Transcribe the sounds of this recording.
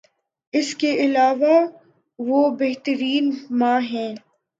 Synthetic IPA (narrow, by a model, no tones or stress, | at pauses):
ɪskeʔɪlaːʋa | ʋoːbeɦt̪əɾiːnmãːɦɛ̃ː